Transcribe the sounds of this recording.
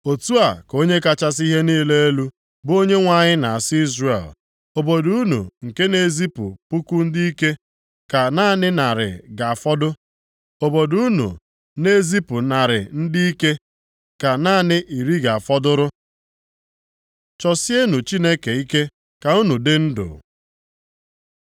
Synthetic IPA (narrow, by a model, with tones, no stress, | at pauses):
o˨tu˦a˨ko˦ɲe˦ka˨t͡ʃa˦s̬i˦ɦe˦niː˦le˦e˦lu˦ | bo˦ɲe˦ŋʷa˦ɲɪ˦na˨a˨sɪ˦i˦zrḛ˨l | o˨bo˨du˦u˦nṵ˨ŋ̩˨ke˦ne˦zi˦pʊ̰˨pu˦ku˦n̩˦di˦i˦ke˦ | ka˨na˦˨nɪ˦na˨ɾɪ̰˨ɡa˨a˨fɔ˦dʊ˦ | o˨bo˨du˦u˦nṵ˨ | ne˦zi˦pʊ˨na˨ɾɪ̰˨n̩˦di˦i˦ke˦ | ka˨na˦˨nɪ˦ʔi˨ɾi˦ɡa˨a˨fɔ˦dʊ˦ɾʊ˦ | t͡ʃɔ˨sje˦nu˨t͡ʃi˦ne˦ke˨i˦ke˦ | ka˨u˦nu˨dɪ˦n̩˦dʊ̰˨